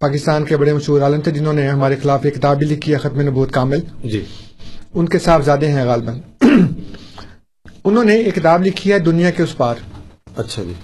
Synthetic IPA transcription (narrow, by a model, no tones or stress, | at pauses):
paːkɪst̪aːnkebɐɽemɐʃɦuːɾaːlə̃nt̪ʰed͡ʒɪnõːneɦɐmaːɾexɪlaːfekɪt̪aːbilɪkːiaxɐt̪menɐbuːt̪kaːmɪld͡ʒi | ʊnkesaːfzjaːd̪eɦɛ̃ɣaːlbən | ʊnɦõːneekɪt̪aːblɪkʰːiɛd̪ʊnijãkeʊspaːɾɐtːʃʰad͡ʒiː